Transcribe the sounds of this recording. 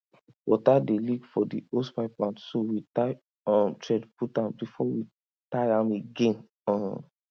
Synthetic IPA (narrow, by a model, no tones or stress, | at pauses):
wɔtadelikfɔdḭospaɪplãntsowitaɪ | ɔ̃mtɹɛdputãmbifɔwi | taɪãmeɡẽn | ɔ̃